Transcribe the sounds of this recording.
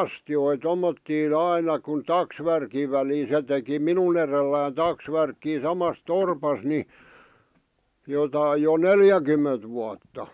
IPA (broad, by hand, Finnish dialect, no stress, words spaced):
ɑstjoi tomːotːiːn ɑinɑ kun tɑksʋærkiʋ̆ ʋæli se teki minun erelːæːn tɑksʋærkːiː sɑmɑs torpɑs ni jotɑi jo neljækymːent ʋuɑtːɑ